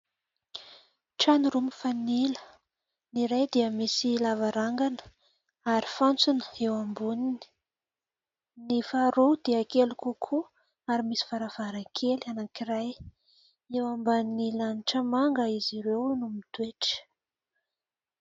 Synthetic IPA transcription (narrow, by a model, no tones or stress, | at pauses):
ʈ͡ʂaniɾumifanilə̥ | niɾajd̪iəmisilavaɾaŋɡanə̥ | aɾifant͡sunə̥ewambunini̥ | nifaɾowd̪iəkelukukʰu | aɾimisi̥v̥aɾav̥aɾaŋkʰelanakiɾaj | ewambannilaniʈ͡ʂəmaŋɡəiziɾewnumit̪weʈ͡ʂə̥